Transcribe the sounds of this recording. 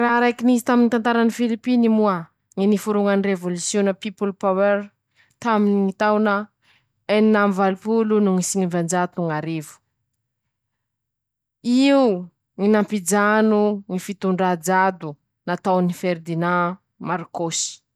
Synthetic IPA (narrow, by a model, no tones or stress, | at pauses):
raɾajkinizit̪aminit̪ant̪aɾanifilipinimua | ŋinifuɾuŋanirevolusjonəpipulpaweɾ | t̪aminiŋit̪awnə | eninamvalupulunuŋisiŋivand͡ʒat̪uŋaɾevu̥ | iu | ŋinampid͡ʒanuŋifit̪uɳɖ͡ʐad͡ʒad̪u | nat̪awnifeɾd̪ina | maɾkosi̥